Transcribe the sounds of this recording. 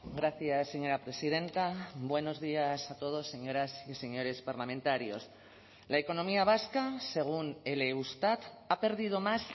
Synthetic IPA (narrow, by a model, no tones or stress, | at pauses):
ɡɾaθjasːe̞ɲo̞ɾapɾe̞sið̞ẽ̞nt̪abwe̞no̞zðiasat̪o̞ð̞o̞sːe̞ɲo̞ɾasise̞ɲo̞ɾe̞spaɾlamẽnt̪aɾjo̞̰s | laeko̞nomiaβ̞askase̞ɣ̞une̞leust̪at̪ | ape̞ɾðið̞o̞mas